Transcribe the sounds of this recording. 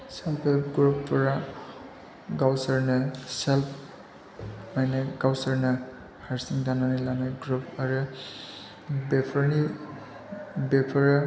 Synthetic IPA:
selpʰeɡɾupːɾa | ɡawsɐɾnɐselpʰ | majnaɡawsɐɾnɐ | haɾsiŋdananalanajɡɾup̚ʰɐɾɯ | bepʰɐɾni | bepʰɐɾa

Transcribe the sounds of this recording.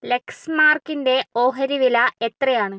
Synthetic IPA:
le̞ksmaːrkinde̞o̞ːɦɐɾiʋilɐe̞t̪rɐjaːɳɨ

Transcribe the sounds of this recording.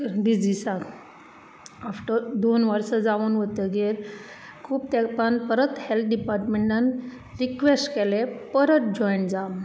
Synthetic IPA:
d̪id͡zisãk | afʈəɾd̪onʋəɾsəd͡zaʋənʋət̪əɡeɾkʰuːp̚t̪ɛpanpəɾət̪hɛlt̪̚ʰɖipaɾʈmeɳʈan | ɾikʋesʈkelepəɾət̪̚d͡ʑɔjɳʈd͡zam

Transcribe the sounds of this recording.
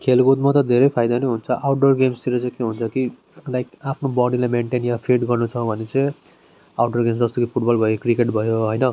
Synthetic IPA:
kʰelɡot̪mat̪ʌd̪ʱeɾʌjpʰajd̪aneɦunt͡sʰʌʔawʈɖʌrɡemst̪iɾʌt͡sãj̃keɦunt͡sʰʌki | lajkapʰnobʌɽilajmeɳʈenjapʰiʈɡʌrnut͡sʰʌbʱʌnet͡sʌj | awʈʌrɡemsd͡zʌst̪okipʰuʈbʌlbʱʌjokrikeʈbʱʌjoɦʌjnʌ

